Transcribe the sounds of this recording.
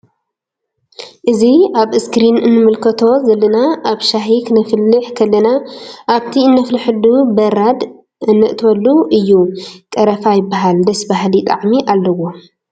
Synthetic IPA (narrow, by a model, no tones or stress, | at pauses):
ʔɨziaβɨskɾinɨnːɨmɨlkʰɐt̪ʰo̞zɐlːɐnaʔaβʃaɦikʰɨnɐfɨlːɨħkʰɐlːɐnaʔaβt̪ʰiɨnːɐflɨħɨd̪ubɐɾad̪ | ɨnːɨʔt̪ʰwɐlːuʔɨjːukʼɐɾɐfajɪbːaɦald̪ɐsbaɦlit̪ʼa̰ʕmiʔalːɐwo̞